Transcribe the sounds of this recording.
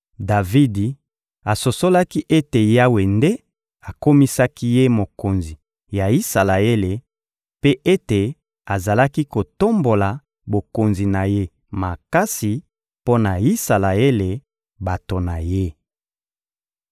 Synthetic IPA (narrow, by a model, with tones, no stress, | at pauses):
da˨vi˦di˨ | a˨so˨so˦la˦ki˦ʔe˦te˨ja˦we˨nde˦ | a˨ko˦mi˦sa˦ki˦je˦mo˨ko˨nzi˨ | ja˨i˦sa˨la˨e˦le˨ | pe˦ʔe˦te˨ | a˨za˨la˦ki˦ko˨to˦mbo˨la˨ | bo˨ko˨nzi˨na˨je˦ | ma˨ka˦si˨ | po˦na˨i˦sa˨la˨e˦le˨ | ba˨to˨na˨je˦